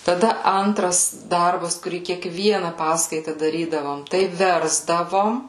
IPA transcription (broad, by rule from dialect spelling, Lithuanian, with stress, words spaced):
tɐˈdɐ ˈɐntrɐs ˈdɐrbɐs kʊˈrʲiː kʲiɛkˈʋʲiɛnɐ ˈpɑːskɐɪtɐ dɐˈrʲiːdɐʋoːm ˈtɐɪ ˈʋʲɛrzdɐʋoːm